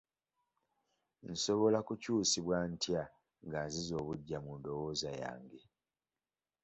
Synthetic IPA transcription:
n̩so̞βo̞lakucuːsiβwantja | ŋɡaːnzizo̞ːβuɟːamundo̞wo̞ːzaja̰ːŋɡe̞

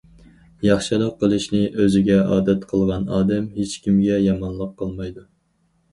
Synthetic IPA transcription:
jɑχʃɨlˠəqqːəlˠɨʃnɪʔøzɪɡʲɛɑːd̪ɛt̪qʰəlˠʁɑnɑːd̪ɛmɦet͡ʃkʲimɡʲɛjɑmɑnlˠəqʰːəlˠmɑjd̪u

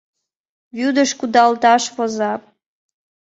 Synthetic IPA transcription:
βyd̪əʃkud̪ɑlt̪ɑʃfozɑp̚

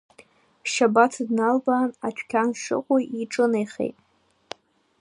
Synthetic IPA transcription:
ʃabat͡sʰɨdnalbaːnat͡ʃʷᶣʰkʲʰanʂɨ̰qʷʼujiʈ͡ʂʼɨnajχḛjtʼ

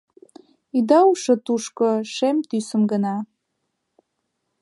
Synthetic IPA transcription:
id̪ɑuʃə̆t̪uʃkoʃemt̪ysə̆mɡənɑ

